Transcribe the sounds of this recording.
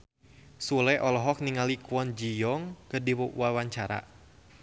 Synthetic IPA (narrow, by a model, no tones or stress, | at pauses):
sulɛʔɔlɔɦɔk̚niŋalikuwɔnd͡ʒijɔŋkədiwoʔṵwawaɲt͡ʃaɾa̰